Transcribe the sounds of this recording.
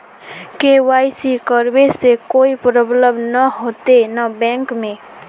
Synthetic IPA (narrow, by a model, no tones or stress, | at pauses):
kewajsikəɾbesekoipɾəbləbnəɦot̪enabɛ̃ŋkmẽ